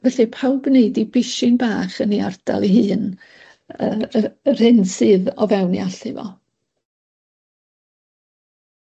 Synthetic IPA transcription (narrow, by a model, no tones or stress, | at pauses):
vɛɬɨpʰawbneɨdibɪʃɪnbaːχəniard̥a̰lˠiɦɨːn | ər̥hɪnsɨːðɔvɛwnḭaɬɨvɔ̰